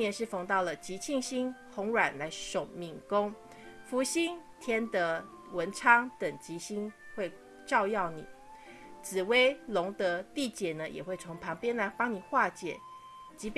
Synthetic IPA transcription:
jɛ˧˥˦nʂɻ̩˥˩fɑ˧˥ŋt̪ɑ˥˩ʊlə˩t͡ɕi˧˥t͡ɕʰi˥˧ŋɕi˥ŋxʊ˧˥ŋɻwa˨˩nla˧˥ɪʂo˨˩ʊmi˨˩ŋkʊ˥ŋ | fu˧˥ɕi˥nt̪ʰjɛ˥nt̪ə˧˦ | wə˧˥nʈ͡ʂʰɑ˥ŋt̪ə˨˩ŋt͡ɕi˧˥ɕi˥nxwe˥˧ɪ | ʈ͡ʂɑ˥˧ʊjɑ˥˩ʊnḭ˨˩˦ | t͡sɹ̩˨˩we˥ɪlʊ˧˥ŋt̪ɤə˧˥t̪i˥˩t͡ɕjɛ˨˩nə˦jʔɛ̰˨˩xwe˥˩ɪt͡sʰo˧˥ŋpʰɑ˧˥ŋpjɛ˥nla˧˥ɪpɑ˥ŋni˨˩xwa˥˩t͡ɕjɛ̰˨˩˦ | t͡ɕi˧˥p

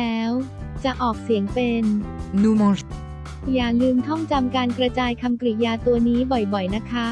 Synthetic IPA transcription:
ɛː˦˥w | t͡ɕa˨˩ʔɔː˨˩k̚si˨˩˦əŋpe˧nːuː˧mɔ˧ | jaː˨˩lɯː˧mt̪ʰɔ˥˩ŋt͡ɕa˧mkaː˧nkɾa˧t͡ɕaː˧jkʰa˧mkɾi˨˩jaː˧t̪u˧ɐniː˦˥bɔ˨˩jbɔ˨˩jna˦˥kʰa˦˥

